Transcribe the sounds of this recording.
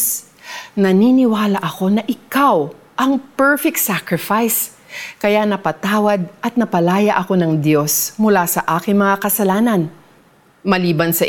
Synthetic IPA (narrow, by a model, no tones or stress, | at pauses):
nɐniːnɪwaːlɐʔɐko̞nɐʔɪkaw | ʔɐŋpɛɹfɛk̚t̪sakɹɪfajs | kɐjanɐpɐt̪aːwɐd̪̚ʔɐt̪̚nɐpɐlaːjɐʔɐko̞nɐŋd̪jo̞smʊlasɐʔaːkɪŋmɐŋakɐsɐlaːnɐn | mɐliːbɐnsɐʔ